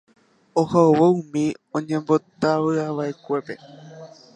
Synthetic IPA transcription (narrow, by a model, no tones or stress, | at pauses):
ohaowoũmĩõ̞ɲẽ̞mbo̞t̪aʋɨaʋaʔekʷe̞pe̞